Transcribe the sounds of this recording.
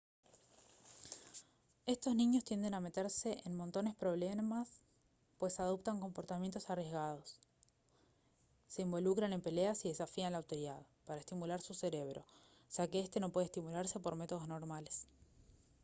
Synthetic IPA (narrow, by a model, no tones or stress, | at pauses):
e̞st̪o̞zniɲo̞st̪jend̪e̞name̞t̪eɾse̞ʔenmo̞nt̪o̞ne̞spɾo̞β̞lemas | pwe̞sað̞op̚t̪aŋko̞mpo̞ɾt̪amje̞nt̪o̞sarje̞zɣað̞o̞s | e̞imbo̞lukɾane̞mpe̞leasiðe̞safianlaːwt̪oɾiðað | paɾaest̪imulaɾsuse̞ɾe̞β̞ɾo̞̰ | sakeest̪e̞no̞pweð̞est̪imulaɾse̞po̞ɾme̞t̪o̞ð̞o̞zno̞ɾmale̞s